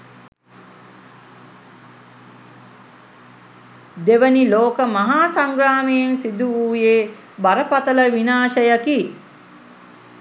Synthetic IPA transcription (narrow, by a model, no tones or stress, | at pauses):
d̪eʋəniloːkəmɐɦaːsaŋɡɾaːmejensid̪uuːjeː | baɾəpat̪ɐləʋinaːʃɐjaki